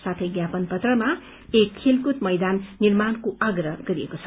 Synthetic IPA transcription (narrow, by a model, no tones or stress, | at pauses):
sat̪ʰʌjɡjapʌnpʌt̪rʌma | ekʰːilkut̪mʌjd̪anːirmankoʔʌɡrʌɡʌɾiekot͡sʰʌ